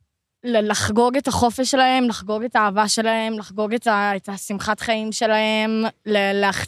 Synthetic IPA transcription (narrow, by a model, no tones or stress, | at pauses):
lelaχɡo̞ɡetaχo̞feʃelahe̞mlaχɡo̞ɡe̞taːvaʃe̞lae̞mlaχɡo̞ɡetaetasimχatχaimʃe̞lahe̞mleleaχ